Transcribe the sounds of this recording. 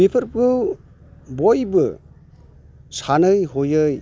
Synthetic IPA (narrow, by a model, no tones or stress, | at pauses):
mipʰɯɾpɡɯw | bojbɯ | sanɯjɦojɯj